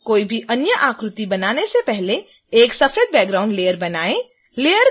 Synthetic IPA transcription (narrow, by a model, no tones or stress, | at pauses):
koːibʱiʔɐnjəʔaːkɾʊt̪ibɐnaːnesepɛɦle | eːksɐfʰeːd̪̚bɛːk̚ɡɾaːʊ̃ɳɖleːəɾbɐnaːẽ | leːjəɾ